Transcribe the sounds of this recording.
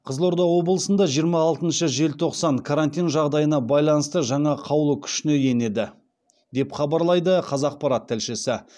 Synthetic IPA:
qʰəzlˠo̞ɾd̪ɑwo̞blˠəsənd̪ɑʒijəɾmɑːlˠt̪ənʃəʒe̞lt̪ʰo̞qsɑɴkʰaɾant̪ijnʒɑʁd̪ɑjənɑbɑjlˠɑnəst̪əʒɑɴɑqʰɑwlˠəkʲʰʏ̥ʃɪne̞je̞ne̞d̪ɪ | d̪e̞pχɑbɑɾlˠɑjd̪əqʰɑzɑq̚pɑɾɑt̪ʰːælʃɪsɪ

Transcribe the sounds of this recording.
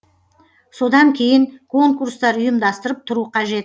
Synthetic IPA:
so̞d̪ɑŋkʲʰe̞jɪŋkʰo̞ŋkurst̪ɑɾʊjəmd̪ɑst̪əɾəp̚t̪ʰʊɾuqʰɑʒe̞t̪

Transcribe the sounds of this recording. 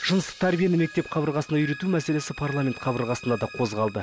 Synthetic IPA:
ʒ̥ənəst̪ət̪ʰæɾbijenɪme̞k̚t̪e̞p̚qʰɑbəɾʁɑsənɑʏjɾe̞t̪umæse̞le̞sɪpʰarlˠamʲe̞nt̪qʰɑbəɾʁɑsənd̪ɑd̪ɑqʰo̞zʁɑlˠd̪ə

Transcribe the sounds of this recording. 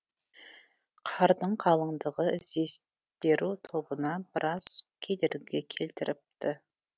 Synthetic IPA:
qʰɑɾd̪əɴqʰɑlˠəɴd̪əʁəɪzd̪e̞s | t̪e̞ɾut̪ʰo̞bənɑbɪɾʔɑskʲʰe̞d̪eɾɡʲe̞kʲʰe̞lt̪ɪɾɪp̚t̪ɪ

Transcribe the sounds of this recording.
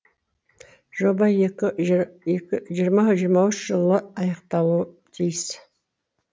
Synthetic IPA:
ʒobɑj | ʒijɾmɑʒijəɾmɑwʏʃʒɨlˠːəɑjəqt̪ɑwu | d̪ʰejs

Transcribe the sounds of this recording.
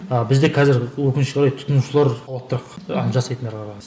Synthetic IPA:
əbɪzd̪e̞kʰɑzɪɾwɵkʲɪnɪʃʲoɾɑjt̪ʰʊ̥t̪ʊnuʃəlˠɑɾwt̪ːəɾɑqɑʒɑsɑjt̪ənd̪ɑɾqʰɑɾɑjz

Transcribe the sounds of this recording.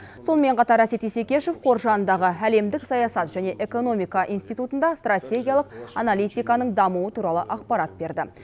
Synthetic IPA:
so̞nəme̞ɴqʰɑt̪ɑɾæse̞t̪ise̞kʲe̞ʃefqʰo̞ɾʒɑnənd̪ɑʁəæle̞md̪ɪksɑjɑsɑt̪ʒ̥æne̞ʔe̞ko̞no̞mijkɑʔḭnst̪ijt̪ut̪ənd̪ɑst̪rat̪ʲe̞ɡʲijalˠəq̚ɑnalʲˠijt̪ijkɑnəɴd̪ɑmuət̪ʰuɾɑlˠəʔɑq̚pɑɾɑt̪̚be̞ɾd̪ɪ

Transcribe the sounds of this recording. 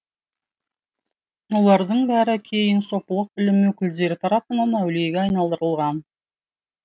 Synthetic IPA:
wo̞lˠɑɾd̪əɴbæɾɪkʲʰe̞jɪnso̞pəlˠəq̚bɪlɪmwɵkʲɪld̪e̞ɾɪt̪ʰɑɾɑpənɑnæwle̞ɡʲeɑjnɑlˠd̪əɾəlˠʁɑn

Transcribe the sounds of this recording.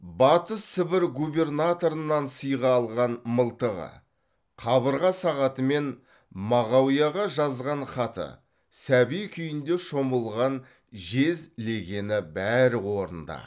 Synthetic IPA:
bɑt̪əsːɪbɪɾɡube̞rnat̪o̞ɾənːɑnsəjʁɑːlˠʁɑnməlˠt̪əʁə̰ | qʰɑβəɾʁɑsɑʁɑt̪əme̞n | mɑʁɑwijɑʁɑʒɑzʁɑnχɑt̪ə̰ | sæbijkʲʰʏjɪnd̪e̞ʃo̞məlˠʁɑn | ʒe̞zle̞ɡʲe̞nɪbæɾɪwo̞ɾə̰nd̪ɑ̰

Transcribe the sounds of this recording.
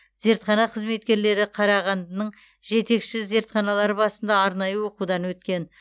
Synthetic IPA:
ze̞ɾt̪χɑnɑqʰəzme̞t̪̚kʲe̞ɾle̞ɾɪqʰɑɾɑʁɑnnəɴ | ʒe̞t̪e̞kʃɪze̞ɾt̪χɑnɑlˠɑɾəbɑsənd̪ɑːɾnɑjəwo̞qud̪ɑnwɵt̪kʲe̞n

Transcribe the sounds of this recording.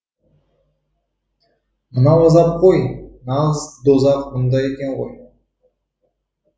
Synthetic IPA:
mənɑwɑzɑp̚qʰojnɑʁzd̪ozɑqmʊnd̪ɑjekʲeɴʁo̰j

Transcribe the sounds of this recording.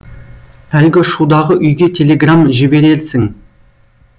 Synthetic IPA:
ælɡʲɪʃud̪ɑʁəʔʏjɡʲe̞t̪ʲʰe̞lʲe̞ɡramʒɪbe̞ɾe̞lsɪŋ

